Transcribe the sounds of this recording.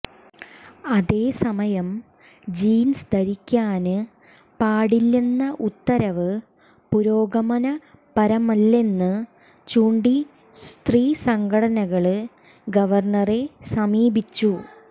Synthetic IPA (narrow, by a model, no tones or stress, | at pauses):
ɐðe̞ːsɐmɐjɐm | d͡ʑiːnsd̪ɐɾikʲːaːnɨ | paːɽilːinːɐʔut̪ːɐɾɐʋɨ | puɾo̞ːɡɐmɐnɐ | pɐɾɐmɐlːe̞nːɨ | t͡ɕuːɳɖi | st̪riːsɐŋɡɐɽɐnɐɣɐɭɨ | ɡɐʋɐrɳɐre̞sɐmiːbit͡ɕːu